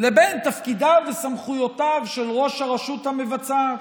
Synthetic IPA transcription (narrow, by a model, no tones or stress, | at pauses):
lebent̪afkidavesamχujo̞tavʃelʁo̞ʃhaʁaʃuthamevat͡sa